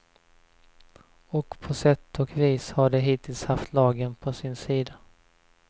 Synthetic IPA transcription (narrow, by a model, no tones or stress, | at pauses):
ɔkpʰɔsɛt̪ʰːɔkviːshaɖɛɦiːt̪ʰɪlshaft̪ʰlɑːɡənpʰɔsɪnsiːd̪a